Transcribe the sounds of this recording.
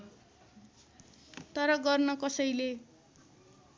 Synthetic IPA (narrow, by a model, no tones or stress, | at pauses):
t̪ʌɾʌɡʌrnʌkʌsʌjle